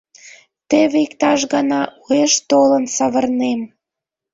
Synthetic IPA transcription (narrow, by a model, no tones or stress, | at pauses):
t̪ĕβikt̪ɑʃɣɑnɑʔueʃt̪olənsɑβə̆rnem